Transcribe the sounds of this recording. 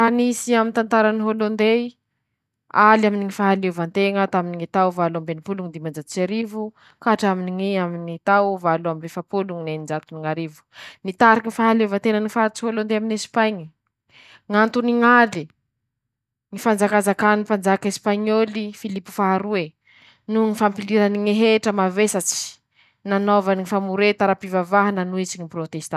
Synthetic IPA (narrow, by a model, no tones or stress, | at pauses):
hanisiamint̪ant̪aɾaniɦolond̪e | alaminiŋifaɦalevant̪eŋat̪aminiŋit̪awvaluambenipuluŋd̪imand͡ʒat̪u̥t͡ʃaɾivu | kaʈ͡ʂaminiŋiaminit̪awvaluambefapuluŋinenid͡ʒat̪uniŋaɾivu̥nit̪aɾikinifaɦaleuvant̪enənifaɾt͡siholond̪eaminespajɲi | ŋant̪uniŋali | ŋifand͡zakazakanipand͡zakespaɲolifilipu̥faɦaɾue | nuŋifampiliɾaniŋeɦeʈ͡ʂəmavesat͡si̥ | nanovaniŋifamuɾet̪aɾapivavaɦananuit͡siŋiprot̪est̪a